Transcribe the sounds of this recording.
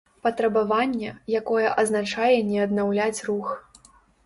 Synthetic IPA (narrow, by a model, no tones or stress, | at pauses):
pɐt̪ɾɐbavanʲːɛjakɔjɛʔɐznat͡ʂajɛnʲɛɐd̪nawlʲat͡sʲrux